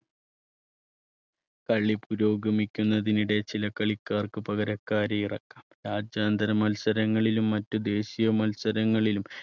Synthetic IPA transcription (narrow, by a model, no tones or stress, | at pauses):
kɐɭːipuɾo̞ːɡɐmikʲːunːɐðiniɽe̞t͡ɕilɐkɐɭikːaːrkɨpɐɣɐɾɐkːaːɾeirɐkːaːmɾaːd͡ʑjaːnd̪ɾɐmɐlsɐɾɐŋːɐɭilumːɐtːɨd̪e̞ːɕijɐmɐlsɐɾɐŋːɐɭilum